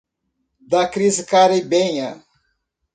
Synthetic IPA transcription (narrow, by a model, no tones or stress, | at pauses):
d̪akɾizɪkaɾebẽɲɐ